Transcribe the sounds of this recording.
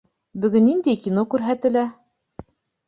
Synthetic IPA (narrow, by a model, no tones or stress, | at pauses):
bɵ̆ɡɵnːind̪æjkʲinokʉɾɦæt̪ɘ̆læ